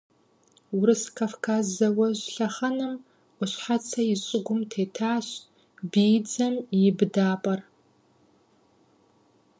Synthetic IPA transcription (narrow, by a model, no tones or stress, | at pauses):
wɾɨskʰafkʰaːzːɐwɐʑɬɐχɐnɨm | ʔʷʊɕħat͡sʰɐjɪɕʼɪɡʷʊmtʰeːtʰaːɕ | biːd͡zɐmjɪbɨdaːpʼɐr